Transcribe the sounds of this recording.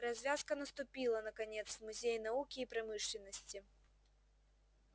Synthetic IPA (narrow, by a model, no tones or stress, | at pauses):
ɾɐzʲvʲaskɐnɐst̪ʊpʲilˠɐnɐkanʲɛt̪svmʊzʲejnaukʲiːpɾamɨʂlʲɪnːəsʲt͡sʲi